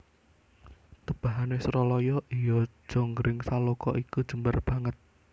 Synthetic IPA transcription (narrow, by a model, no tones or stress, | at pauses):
t̪əb̥a̤ɦanesɾɔlɔjɔʔijɔ̥ʒ̥o̤ŋɡɾɪŋsalokɔ̰ʔikud̥ʒ̥əmbarb̥ä̤ŋət̪̚